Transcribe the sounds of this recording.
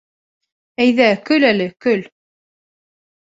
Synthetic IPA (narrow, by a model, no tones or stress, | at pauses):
æjðækɵlælɘkɵl